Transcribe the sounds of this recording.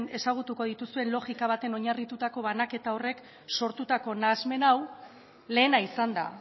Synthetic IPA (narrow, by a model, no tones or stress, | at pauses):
ne̞saɣ̞ut̪uko̞ð̞it̪usue̞nlo̞ɣikaβat̪e̞no̞ɲarit̪ut̪ako̞βanake̞t̪ao̞re̞k | so̞ɾt̪ut̪ako̞naːzme̞naw | le̞ːnaisand̪a̰